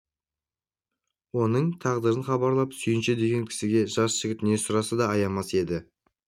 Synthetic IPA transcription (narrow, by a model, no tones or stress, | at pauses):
wo̞nəɴt̪ʰɑʁd̪əɾənχɑbɑɾlˠɑpsʏjɪnʃed̪e̞ɡʲe̞ŋkʲʰɪ̥sɪɡʲe̞ʒɑsʒ̥ɪɡʲɪt̪ne̞sʊɾɑsɑd̪ɑːjɑmɑse̞d̪ɪ